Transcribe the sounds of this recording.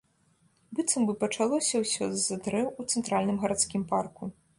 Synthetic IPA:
bɨt̪sɐmbɨpɐt͡ʂalˠɔsʲɐwsʲɔzɐd̪ɾɛwut̪sɛnt̪ɾalʲnɨmɣɐɾat̪skʲimparku

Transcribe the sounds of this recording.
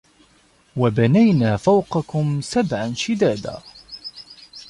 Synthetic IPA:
wabanajnaːfawqɑkʊmsabʕanʃɪd̪aːd̪a̰ː

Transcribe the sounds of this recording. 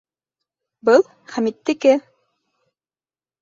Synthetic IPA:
bɤlˠ | χæmit̪ːɘ̆kɘ

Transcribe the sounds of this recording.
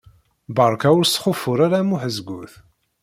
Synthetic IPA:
bɑɾˤkaʊɾsχʊfʊɾˤaɾamuħəzɡuθ

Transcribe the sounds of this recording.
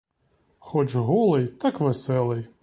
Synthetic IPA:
xɔt͡ʃɦɔlˠɪjt̪akʋesɛlˠɪj

